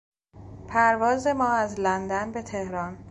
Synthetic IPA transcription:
pʰæɾvɒːze̞mɒːæzlænd̪ænbe̞t̪ʰe̞hɾɒn

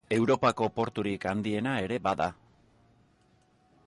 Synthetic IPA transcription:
e̞wɾo̞pako̞po̞ɾt̪uɾikand̪ie̞nae̞ɾe̞baða

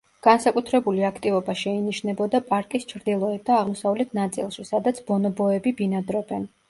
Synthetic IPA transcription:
ɡ̥ansakʼut̪ʰɾɛbuliakʰt̪ʼivɔbaʃɛiniʃnɛbɔd̪apʼaɾkʼist͡ʃʰɾd̪ilˠɔɛt̪̚d̪aːʁmɔsavlɛt̪ʰnat̪sʼḭlˠʃisad̪at̪sʰbɔnɔbɔɛbibinad̪ɾɔbɛn

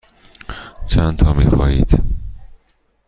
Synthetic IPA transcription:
t͡ʃʰænt̪ʰɒːmixɒːjḭːd̪̥

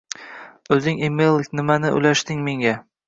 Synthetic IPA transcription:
ɵzɪŋimejlˠkʲnɪmanɪʔʊ̰lʲaʃt̪ɪŋme̞ŋɡʲa

